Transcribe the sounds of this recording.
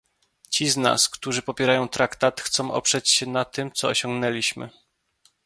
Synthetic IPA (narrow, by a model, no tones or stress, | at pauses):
t͡ɕizna̰skt̪uʐɘpɔpʲjɛɾajɔ̃w̃t̪ɾakt̪at̪xt̪sɔ̃w̃ʔɔ̰pʂɛt͡ɕɕɛnat̪ɘmt̪sɔɔɕɔ̃ŋɡnɛlʲiɕmɘ̰